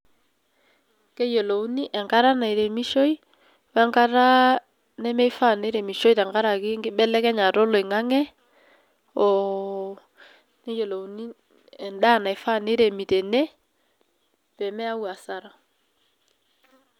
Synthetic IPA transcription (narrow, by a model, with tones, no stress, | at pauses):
kɛ˦jo˨lo˨u˦ni˦ʔɛ˨ŋɡa˦ɾa˦na˨i˨ɾe˨mi˦ʃo˦j | wa˦ŋka˦ɾa˦ | nɛ˦mɛ˦jfa˦˨ne˦ɾɛ˨mi˨ʃo˦jta˨ŋɡa˦ɾa˨kɪ˦ŋɡɪ˦ɓɛ˦lɛ˦kɛ˦ɲa˨ɾɔ˦lɔ˨i˨ŋa˦ŋɛ˦ | ɔ˨ | nɛ˦jo˨lo˨u˨ni˦ | ɛ˨nɗa˦˨na˨i˨fa˦˨ne˦ɾe˨mi˨tɛ˨nɛ˦ | pɛ˨mɛ˦a˦wa˨sa˦ɾa˨